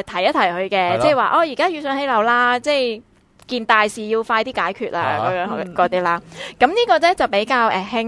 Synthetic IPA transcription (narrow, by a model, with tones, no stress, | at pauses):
t̪ʰɐ˨˩jɐ˥t̪ʰɐ˨˩jhɵ˧ɥkɛː˧t͡sɛ˥˩jwaː˨ʔɔː˧jiː˨˩kaː˥jyː˧sœː˨˧ŋhe˨˥jlɐ˨˧˥wlaː˥t͡sɛː˥˩j | kiː˧nt̪aː˨jsiː˨˩jiː˧wfaː˧jt̪iː˥kaː˨˥jkʰyː˨t̚a̰ː˧˨kɔ˨˥jœː˨˥ŋhɔ˧m˨˩kɔː˧t̪iː˥laː˧˥kɐ˨˥mniː˥kɔː˧t͡sɛ˥t͡sɐ˨˩wpe˨˥jkaː˧wʔɛː˨˩hɪ˥ŋ